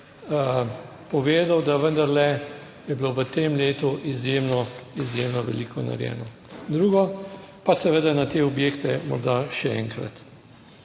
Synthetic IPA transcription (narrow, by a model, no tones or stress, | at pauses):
pɔʋeːd̪awd̪aʋənd̪aɾlɛ | jɛbloʋət̪emleːt̪uʔizjemnɔizjeːmnɔʋɛ̰liːkʰɔna̰ɾjɛ̰ːnɔ | d̪ɾuːɡɔ | pasɛʋed̪anat̪eɔbjeːkt̪ɛmɔ̰ɾd̪aʃɛɛ̰ŋkɾa̰t̪